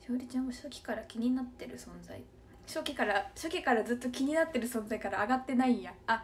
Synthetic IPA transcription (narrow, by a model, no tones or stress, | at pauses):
ɕoːɾʲit͡ɕãoɕokʲi̥kaɾakʲiɲ̟inat̪ːe̞ɾɯ̟sõ̞nza̰i | ɕokʲikaɾaɕokʲikaɾad͡zzɨt̪ːo̞kʲiɲ̟inat̪ːe̞ɾɯ̟sõ̞nd͡zaikaɾaːɡat̪ːe̞naĩjaa